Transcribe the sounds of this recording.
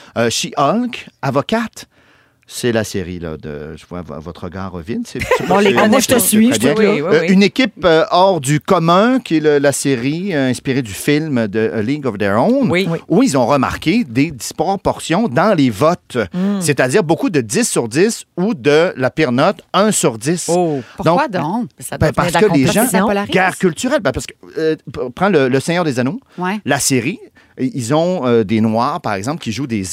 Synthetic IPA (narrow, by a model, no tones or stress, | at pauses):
øʃiʔɔlkavɔkat̪ | sɛlaseʁila̰d̪ə̰ʒ̥əvwa̰va̰vɔt̪ʁəɡaːʁːə̰vjɛnsɛpt̪eʒt̪əsiɛjɛ̃ynekʲipøɔːʁd̪ykɔmɛ̃kʲiɛləlaseʁiɛ̃spiʁed̪yfilmd̪əliɡɔvd̪ɛɹɔ̃nuilzɔ̃ʁəma̰ʁkʲed̪ed̪ispɔpɔʁsjɔ̃d̪ɑ̃levɔt̪set̪ad̪iːʁbokud̪əd̪ɪsːyʁd̪isud̪əlapiʁnɔt̪ɛ̃syʁd̪isd̪ɔ̃d̪bɛ̃paʁsəkəleʒɑ̃ɡʲaʁkʲylt̪yʁɛlbɛ̃paʁsəkə̥ | pχɑ̃lələsɛɲœːʁd̪ezanowlaseʁi | ilzɔ̃ød̪enwaːʁpaʁɛɡzɑ̃plkʲiʒud̪ez